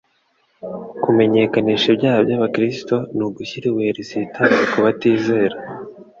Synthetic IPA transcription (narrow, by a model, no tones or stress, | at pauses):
kume̞ɲe̞kaniːʃebɟaːhabjaːβakɾisto̞nuɡuçiɾiweːɾesitaikuβatiːze̞ːɾa